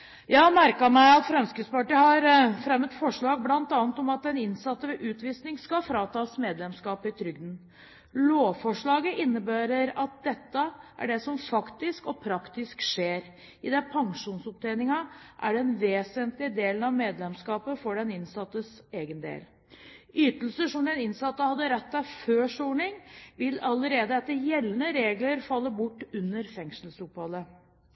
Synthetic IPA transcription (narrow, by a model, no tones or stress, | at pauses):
jɑːmæɾkɑmæɪɑt̪fɾɛmskɾɪt̪spɑʈiːəhɑɾfɾɛmːət̪fɔʂɭɑːɡ̚blɑnt̪ɑːnət̪ɔmɑt̪ɛnɪnsɑt̪ːəʋɛʔʉːt̪ʋiːsnɪŋskɑfɾɑːt̪ʰɑːsmeːd̪lɛmskɑːpɪt̪ʰɾʏɡ̚d̪n̩ | loːfɔʂɭɑːɡəʔɪnːəbæːɾəɾɑt̪̚d̪ɛt̪ːəʔæ̰ɖɛsɔmfɑkt̪ɪskɔpʰɾɑkt̪ɪskʂeːɾ | ɪd̪ɛpʰɑŋʂuːnsɔp̚t̪ʰɛɪnɪŋɑʔæɖɛnʋeːsənt̪lɪəd̪eːlənɑʋmeːd̪lɛmskɑːpəfɔɖɛnɪnsɑt̪ːəseːɡənd̪ḛːl | yːt̪əl̩səʂɔmd̪ɛnɪnsɑt̪ːəhɑd̪ːəɾɛt̪ːæføːʂuːɳɪŋʋɪlɑləɾeːd̪əɛt̪ːəɾjɛlːənəɾeːɡləɾfɑlːəbʊʈːʉnːəɾfɛŋʂəlsʊphɑlə